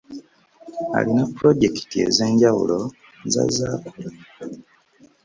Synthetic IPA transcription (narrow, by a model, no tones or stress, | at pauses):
a̰linapːuɾoɟe̞ki̥tie̞ze̞ːɲɟawṵlo̞ | za̰zaku